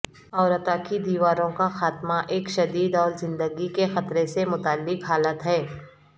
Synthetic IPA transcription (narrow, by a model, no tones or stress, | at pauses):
ɔːɾət̪aːkid̪iːʋaːɾõkaxaːt̪maʔeːkʃɐd̪iːd̪ɔːɾzɪ̃nd̪əɡikexɐt̪ɾesemʊt̪aːlːɪkɦaːlət̪ɦɛː